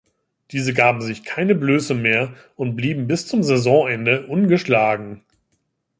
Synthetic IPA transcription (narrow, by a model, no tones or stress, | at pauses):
d̥iːzəɡaːbm̩zɪçkʰaɪnəbløːsəmeːɐ | ʔʊntb̥liːbm̩bɪst͡sʊmzɛzɔ̃ʔɛndəʔʊnɡəʃlaːɡŋ̩